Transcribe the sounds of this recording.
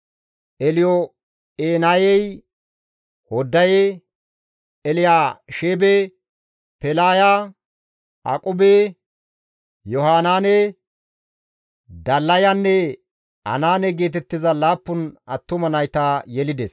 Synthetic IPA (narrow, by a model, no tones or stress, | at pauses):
ʔɛlɪjɔ | eːnajɛj | hɔd̪ːɐje | lɪjaːʃeːbe | pɛlaːjaː | a̰kʼʊbe | jɔhaːnaːne | d̪ɐlːɐjanːɛ | ɐ̰naːnɛɡe̞ːt̪ɛt̪ːɪzɐlaːpːʊnɐt̪ːʊmɐnɐjt̪ajɛlɪd̪ɛs